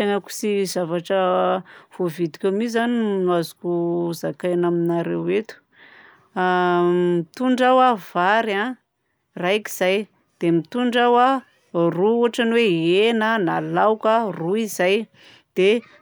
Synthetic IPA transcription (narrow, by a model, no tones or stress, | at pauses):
aŋaku̥sizavaʈ͡ʂə | v̥ovid̪i̥kʲamizanimnuazu̥kʲuzakajnaminaɾewet̪u̥ | mit̪uɳɖ͡ʐawavaɾa | raki̥z̥aj | d̪̥emit̪uɳɖ͡ʐawa | ruuɦaʈ͡ʂaniweenənalawkaruizaj | d̪̥e